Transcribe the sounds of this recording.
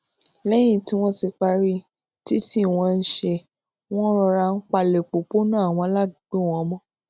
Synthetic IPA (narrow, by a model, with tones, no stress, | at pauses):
lɛ˦j̃ĩ˦˨ti˨˦w̃ɔ̃˦ti˧k͡pa˧ɾi˦ | ti˦ti˦˨w̃ɔ̃˧n̩˦ʃe˧ | w̃ɔ̃˦ɾ̃ɔ˧ɾa˧n̩˦k͡pa˧le˨k͡po˨k͡po˦nã˦a˦˨w̃ɔ̃˧˦la˦du˨ɡ͡bo˦˨w̃ɔ̃˨˦mɔ̃˦˨